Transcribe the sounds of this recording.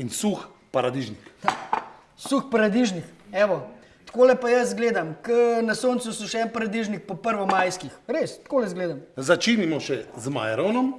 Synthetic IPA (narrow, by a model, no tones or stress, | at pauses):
insux | paɾad̪iʒnik̪ | suxpaɾad̪iʒnikɛːʋɔ | t̪koːlɛpajəsɡleːd̪amkənasoːnt̪susuʃɛnpaɾad̪iʒnik̚pɔpəɾʋɔmaːjskixɾest̪koːlɛzɡleːd̪amzat͡ʃinimɔʃɛzma̰jɾonɔm